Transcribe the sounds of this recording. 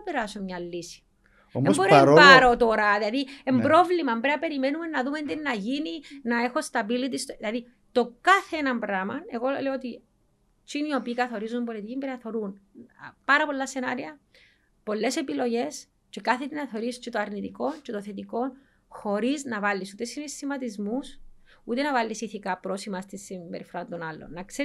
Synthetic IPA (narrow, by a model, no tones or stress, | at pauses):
ɐpeɾasumɲɐlːisi̥ | omemboɾeɾopaɾot̪oɾɐðilɐðiembɾo̞vlimɐmbɾeɐpe̞ɾime̞nume̞nːɐðumend̪enːɐʝininɐe̞xo̞st̪ɐbilit̪̬ist̪oilɐði | t̪o̞kɐθe̞nɐmbɾɐmɐne̞ɣo̞le̞oot̪i | t͡ʃinio̞piːkɐθo̞ɾizumbo̞lit̪icimbɾeθo̞ɾunpɐɾɐpo̞lːɐse̞nɐɾiɐ | po̞lːe̞se̞pilo̞ʝe̞s | t͡ʃekaθet̪inɐθo̞ɾist͡ʃet̪oɐɾnit̪iko̞nt͡ʃet̪oθe̞t̪̬iko̞n | xo̞ɾiznɐvɐlːisut̪esinest̪imɐt̪izmus | ut̪enɐvɐlːisiθikɐpɾo̞simɐst̪isːimbe̞ɾifoɾɐnd̪o̞nɐlːo̰nːɐkse